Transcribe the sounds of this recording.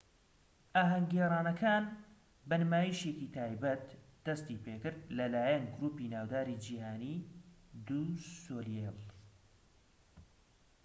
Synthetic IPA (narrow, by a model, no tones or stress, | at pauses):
ʔaːɦɐŋɡeɾˤaːnɐkʰaːn | bɐnɨmaːjiʃekit̪ʰaːjbɐt̪d̪̥ɐst̪ipʰekɨɾd̪̚lɐlaːjɐnɡʊɾuːpinaːwd̪aːɾid͡ʒiːhaːniːd̪usoːlel